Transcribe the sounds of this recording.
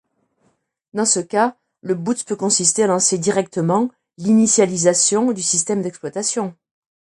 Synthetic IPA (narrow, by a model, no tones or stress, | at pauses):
d̪ɑ̃səka | ləbut̪spøkɔ̃sist̪ealɑ̃sed̪iʁɛk̚t̪əmɑ̃ | linisjalizasjɔ̃d̪ysist̪ɛmd̪ɛksplwat̪asjɔ̃